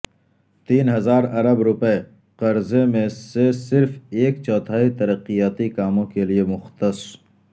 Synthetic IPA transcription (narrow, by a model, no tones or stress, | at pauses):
t̪iːnɦɐzaːɾɐɾəbɾʊpəe | qɐɾzemẽsesɪɾfeːkt͡ʃɔːt̪ʰaːɦit̪ɐɾəqːijaːt̪ikaːmõkeliemʊxt̪əs